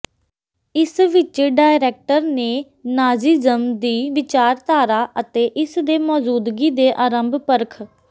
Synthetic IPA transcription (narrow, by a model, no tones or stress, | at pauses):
ɪsʋɪt͡ʃeːɖaːɪɾɛːk̚ʈəɾneː | naːziːzəmd̪iːʋɪt͡ʃaːɾt̪aːɾaːʔət̪eːʔɪsd̪eːmɔːzuːd̪ɡiːd̪eːʔaːɾəmbpəɾkʰ